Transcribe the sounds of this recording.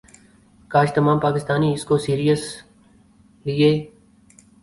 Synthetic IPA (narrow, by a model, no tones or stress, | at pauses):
kaːʃt̪əmaːmpaːkɪst̪aːniɪskosiːɾijəs | lɪeː